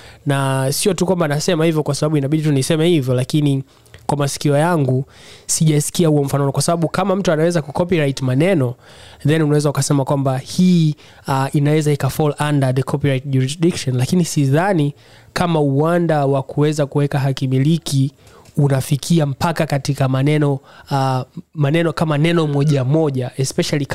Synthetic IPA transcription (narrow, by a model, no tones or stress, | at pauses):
nasiɔtukwambanasɛmahivjɔkwasaɓaɓuinaɓiɗitunisɛmɛhivjɔlakini | kwamasi̥kiɔjaŋɡu | siʄasi̥kiahuɔm̩fanɔnɔkwasaɓaɓukamam̩tuanawɛzakukɔpiɾajtmanɛnɔ | ðɛnunawɛzaukasɛmakwambahiː | ʔinawɛzaikafɔlʔandaðɛkʰɔpiɾajt̚ʄuɾisdikʃɔnlakinisiðani | kamauwandawakuwɛzakuwɛkaɦakimiliki | unafikʰiam̩pakakatikamanɛnɔ | manɛnɔkamanɛnɔmɔʄamɔʄaɛspɛʃalik